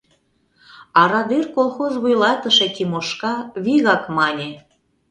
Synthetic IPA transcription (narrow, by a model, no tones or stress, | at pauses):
ɑɾɑd̪irkolˠxozβujlɑt̪əʃek̪ʲimoʃkɑβiɣɑkmɑnʲe